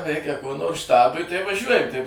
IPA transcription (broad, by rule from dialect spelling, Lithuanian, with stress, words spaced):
ˈrʲɛɪkʲɛ koː noːrs ˈʃtɑːbʊɪ tɐɪ ʋɐˈʒʲuɔjɛm tɐɪ